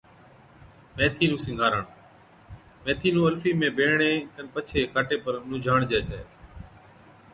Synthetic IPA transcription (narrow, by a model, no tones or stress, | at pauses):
mẽːt̪ʰiːnũːsɪ̃ŋɡʱaːɾəɳ | meːt̪ʰiːnũːəɾfiːmẽːbʱeːɳẽːkənpət͡ʃʰeːkʰaːʈeːpəɾnũːd͡ʒʱaːɳd͡ʒɛːt͡ʃʰɛː